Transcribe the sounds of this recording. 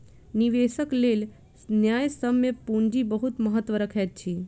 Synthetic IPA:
niʋesəkleːl | snjajsəmjepuɲd͡ʒibəɦut̪məɦət̪ːʋəɾəkʰjat̪̚t͡ʃʰiː

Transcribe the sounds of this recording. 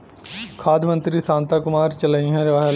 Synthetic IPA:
kʰaːd̪mə̃nt̪ɾiːsãːnt̪aːkʊmaːɾt͡ʃələĩɦɛ̃ɾɪʋaːɦa

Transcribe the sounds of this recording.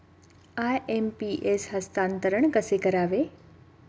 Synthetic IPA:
ajempiʔesɦəst̪ãːnt̪əɾəɳ̃kəsekɐɾaːʋe

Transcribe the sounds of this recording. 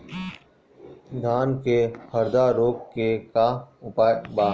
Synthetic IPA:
d̪ʱaːnkehəɾd̪aɾoːkkekaʊpaːbaː

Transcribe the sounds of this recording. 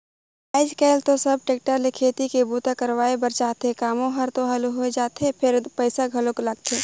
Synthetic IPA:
aːɪd͡ʒkɛɪlt̪osɐb̚ʈeːk̚ʈəɾlekʰeːt̪ikebuːt̪akəɾwaːebəɾt͡ʃaːt̪ekaːmõɦəɾt̪oɦɐluɦoed͡ʒaːt̪epʰɪɾpəɪsaɡʱɐlõklɐɡ̚t̪ʰeː

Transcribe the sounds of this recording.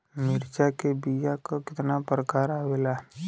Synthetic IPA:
mɪɾt͡ʃakebijakakɪt̪napɾəkaːɾaːʋeːla

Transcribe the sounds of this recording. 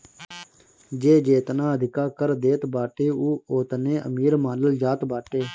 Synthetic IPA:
d͡ʒeːd͡ʒeːt̪naːəd̪ʱɪkaːkəɾd̪eːt̪baːʈeːuːoːt̪nẽːʔə̰miːɾmãːnəld͡ʒaːt̪baːʈeː

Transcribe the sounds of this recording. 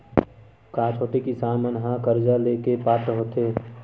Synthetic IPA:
kãːt͡ʃʰoːʈekisaːmənɦãkəɾd͡ʒaleːkepaːt̪əɦoːt̪eː

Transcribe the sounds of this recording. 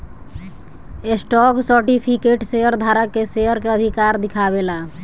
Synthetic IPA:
esʈɔksəɾʈipʰikeʈseəɾd̪ʱaɾəkːeseəɾkeəd̪ʱikaɾd̪ikʰaβela

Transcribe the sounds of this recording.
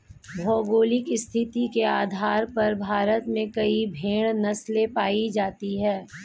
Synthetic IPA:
bʱɔːɡoːlɪkɪst̪ʰɪt̪ikeaːd̪ʱaːɾpɐɾbʱaːɾət̪mẽkɐibʱeːɽ̃nɐslepaːid͡ʒaːt̪iɦɛː

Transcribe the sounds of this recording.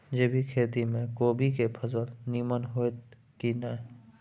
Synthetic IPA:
d͡ʒeːbʱikʰeːt̪imẽkoːbʱikepʰəzəlniːmənɦoet̪ | kinəɦ

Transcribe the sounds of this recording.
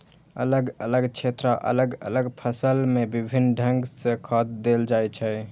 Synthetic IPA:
ə̰ləɡələɡt͡ʃʰet̪ɾəʔə̰ləɡə̰ləɡpʰəsəlmebibʱinːɖʱə̃ŋɡsẽkʰɔt̪̚d̪eld͡ʒajt͡ʃʰɛ

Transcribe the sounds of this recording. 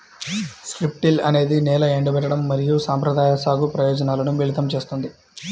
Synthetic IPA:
skɾip̚ʈilɐne̞ːd̪inɛːlɐeɳɖɐbɛʈːɐɽɐmːɐɾijusaːmpɾɐd̪aːjɐsaːɡupɾɐjɔːd͡ʒɐnaːlɐnuʋiɭit̪ɐmt͡ʃe̞ːst̪und̪i

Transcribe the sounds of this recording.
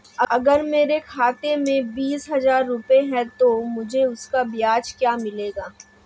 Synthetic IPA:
ɐɐɡəɾmeːɾekʰaːt̪emẽbiːsɦɐzaːɾːʊpeɦɛ̃t̪omʊd͡ʒʱeʊskabɪjaːt͡ʃkjaːmɪleːɡaː

